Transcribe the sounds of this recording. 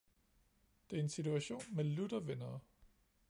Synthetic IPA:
d̥e̝æɐe̝nsit͡sʰuæɕo̝̰ːnmelud̥ɐʋenɐː

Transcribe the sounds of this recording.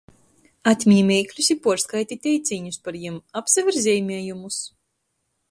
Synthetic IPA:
at̪ʲmʲiɲimʲɛːjklʲusipuɔskajt̪ʲit̪ʲɛjt̪sʲiːɲuspaɾjimapsavʲiɾzʲɛːjmʲɛɛjumus

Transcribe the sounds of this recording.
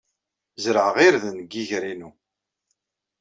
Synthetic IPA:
zɾəʕəʁiɾðnɡiʝɾinu

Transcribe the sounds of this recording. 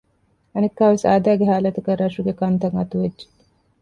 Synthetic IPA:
ɐnekːaːʋesa̰ːd̪æːɡeɦaːlɐt̪ɐkɐɾːɐʂuɡekɐnt̪ɐŋɐt̪uʋedd͡ʒe̥

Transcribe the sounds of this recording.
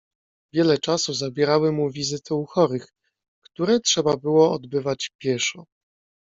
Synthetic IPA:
vʲjɛlɛt͡ʂasuzabʲjɛɾawɘmuvʲizɘt̪ʰɛuxɔɾɘx | kt̪uɾɛtʂɛbabɘwɔɔd̪bɘvat͡ɕpʲjɛʂɔ

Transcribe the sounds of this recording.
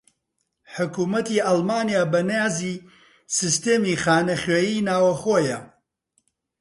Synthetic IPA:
ħʊkuːmɐt̪iʔɐlmaːnijaːbɐnjaːziː | sɨst̪eːmixaːnɐxɥeːjiːnaːwɐxoːjɐ

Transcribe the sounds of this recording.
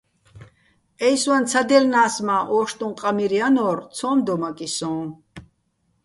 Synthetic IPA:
ɛjswant̪t͡sʰad̪ɛlnaːsmaʔɔːʃt̪ʼũnqʼamiɾianɔːrt͡sʰɔ̃ːmd̪ɔmakʼisɔ̃ː

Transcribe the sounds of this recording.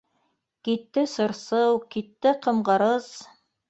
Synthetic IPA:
kit̪ːɘsɤ̆ɾsɤwkit̪ːɘqɤ̆mɢɤ̆ɾɤz

